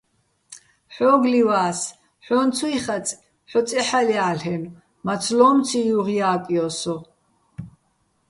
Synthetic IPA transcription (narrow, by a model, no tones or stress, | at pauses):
ħɔːɡliwaːs | ħɔnt͡sʰuiχat͡sʼ | ħɔt͡sʼɛħaliaːɬɛn | mat͡sʰlɔːmt͡sʰijuʁjaːkʼiɔsɔ